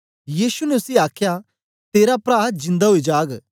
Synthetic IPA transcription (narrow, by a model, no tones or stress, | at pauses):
jiːsunɛʊsiaːkʰja | t̪eːɾapɾaːd͡ʒɪ̃nd̪aɦoid͡ʒaːɡ